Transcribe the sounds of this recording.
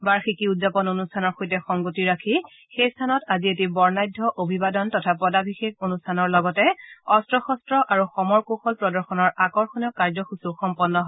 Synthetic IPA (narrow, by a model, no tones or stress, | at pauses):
baɹxikiutzapɔnonustʰanɔɹxojtɛxɔŋɡotiɹakʰi | xejstʰanɔtazietibɔɹnajdʱːɔʔobʱibadɔntɔtʰapɔdabʱixekonustʰanɔɹlɔɡɔtɛɔstɹɔxɔstɹɔʔaɹuxɔmɔɹkoxɔlpɹɔdɔɹxɔnɔɹʔakɔɹxɔnɔkaɹzɔxusuxɔmpɔnːɔɦɔ